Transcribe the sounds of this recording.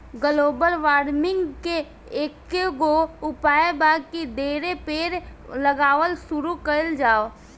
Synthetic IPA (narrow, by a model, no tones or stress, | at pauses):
ɡəloːbəlʋaːɾmɪ̃ŋɡke | eːkːeɡoʊpaːebaːɡkid̪eːɾepeːɾləɡaːʋəlsʊɾukəəld͡ʒaːo